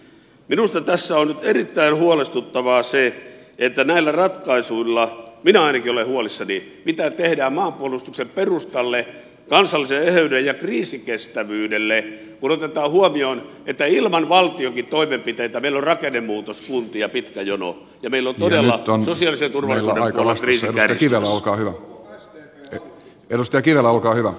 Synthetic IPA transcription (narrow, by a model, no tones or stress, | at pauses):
minust̪ɑt̪æsːæonnyt̪erit̪ːæinhuolest̪ut̪ːɑʋɑse | et̪ːænæilːærɑt̪kɑisuilːɑminæɑinɑkiolehuolisːɑni | mit̪æt̪ehdæːmmɑːmpuolːˑust̪uksemperust̪ɑlːe | kɑnsɑlːˑiseehøydejjɑkriːsikest̪æʋyːdelːe | kunot̪et̪ɑːhuomion | et̪ːæilmɑnʋɑlt̪iokitt̪oimempit̪eit̪æmeilːorɑkenːemmuːt̪oskunt̪ijɑpit̪kæjono̰ | jɑmeilːont̪odelːɑonssosiɑliset̪urʋɑlːˑilːneɑipuolːekriːsienukærkiʋelːˑæolkɑːhyʋæ | edust̪ejɑkiʋelːæolkɑːhyʋæ